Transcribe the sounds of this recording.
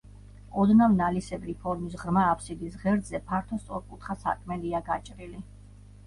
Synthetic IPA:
ɔd̪namnalisɛbɾipʰɔɾmisʁɾmaːpʰsid̪isʁɛɾd̪zɛpʰaɾt̪ʰɔst̪sʼɔɾkʼut̪ʰχasa̰kʼʰmɛliaɡat͡ʃʼɾili

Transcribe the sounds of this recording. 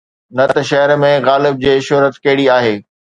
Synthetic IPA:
nɐt̪ɐʃɐɦəɾmẽɣaːlɪb̚d͡ʑeːʃʊɦɾət̪kɐɦɪɽiaːɦeː

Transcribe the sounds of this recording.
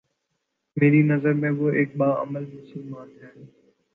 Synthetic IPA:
meːɾinəzəɾmẽboːʔeːk̚ɓaːə̰məlmʊsəlmaːnaːnː

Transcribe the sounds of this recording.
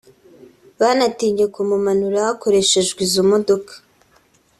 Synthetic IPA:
βanatiːɲɟe̞kumumanuɾahako̞ɾe̞ʃe̞ʒɡwizumo̞do̞kḁ

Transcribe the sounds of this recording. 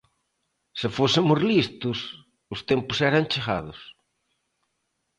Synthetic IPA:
sefosɪmʊzlist̪ʊs | ʊst̪empʊsɛɾant͡ʃeɣa̰ðʊs

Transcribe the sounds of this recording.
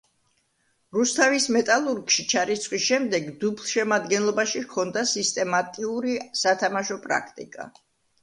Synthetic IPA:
ɾust̪ʰavismɛt̪ʼalˠuɾɡʃit͡ʃʰaɾit̪sʰχwisʃɛmd̪ɛɡd̪ublˠʃɛmad̪ɡɛnlˠɔbaʃikʰɔnd̪asist̪ʼɛmat̪ʼiuɾisat̪ʰamaʃɔpʼɾa̰kʰt̪ʼḭkʼa̰

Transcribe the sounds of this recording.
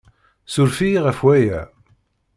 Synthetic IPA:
sʊɾfiʁəfwæjæ̰

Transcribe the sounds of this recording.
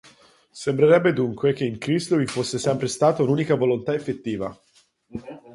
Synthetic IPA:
sembɾeɾɛbːed̪uŋkwek̟eiŋkɾist̪ovifosːesɛmpɾest̪aːt̪aunuːnikavolont̪aefːet̪ːiːva

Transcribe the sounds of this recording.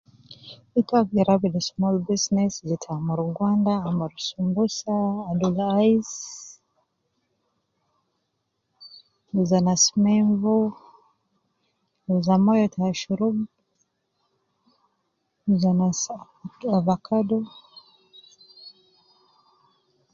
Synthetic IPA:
itwaiɾabilismɔlbisnɛszitʰamuɾuɡwandaːmaɾusumbusaːdulais | uzanasmɛɱvu | uzamɔjɔtʰaaʃuɾub | uzanas | avakʰadɔ

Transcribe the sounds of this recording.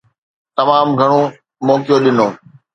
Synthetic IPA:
t̪ɐmaːmɡʱɐɽ̃o | mɔːkɪjoɗɪnoː

